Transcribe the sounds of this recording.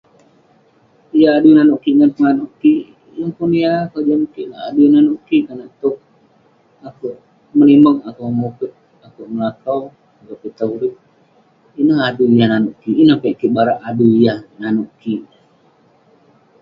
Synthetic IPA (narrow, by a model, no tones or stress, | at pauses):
ijaadunanʊʔkiʔŋanpəŋanuʔkiʔ | jaŋpunijakad͡ʒamkiʔla̰ʔa̰dunanʊʔkiʔkanaʔt̪ʊk̚ | akuʔ | məliməŋakuʔmupɪt̪̚ | akuʔməlakaw | ɡapit̪auɾɪt̪̚ | inəɦadujahnanʊʔkiʔːnəhpɛʔkiʔbaɾaʔaduijahnanʊʔkiʔ